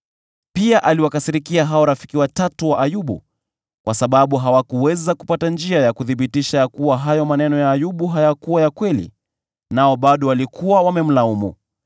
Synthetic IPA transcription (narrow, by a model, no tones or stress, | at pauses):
piaʔaliwakasiɾikiaɦaɔɾafikiwatatuwaʔːjuɓṵ | kwasaɓaɓuɦawakuwɛzaku̥patand͡ʒiajakuθiɓitiʃajakuwaɦajɔmanɛnɔjaːjuɓuɦajakuwajakwɛlḭ | naɔɓaɗɔwalikʰuwawamɛm̩laumṵ